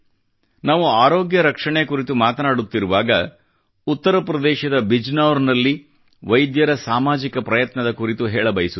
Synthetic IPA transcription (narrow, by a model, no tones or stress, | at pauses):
naːʋuaːɾo̞ːɡjɐɾɐkʂɐɳekuɾit̪umaːt̪ɐnaːɽut̪ːiɾuʋaːɡɐ | ut̪ːɐɾɐpɾɐd̪ɛːʃɐd̪ɐbid͡ʒnaːʋɾnɐlːi | ʋɐjd̪jɐɾɐsaːmaːd͡ʒikɐpɾɐjɐt̪nɐd̪ɐkuɾit̪uɦɛːɭɐbɐjsu